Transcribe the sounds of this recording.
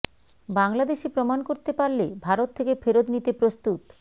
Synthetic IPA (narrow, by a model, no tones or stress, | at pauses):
baŋlad̪eʃepɾomankoɾt̪epaɾlebʱaɾot̪ʰːekefeɾod̪nit̪epɾost̪ut̪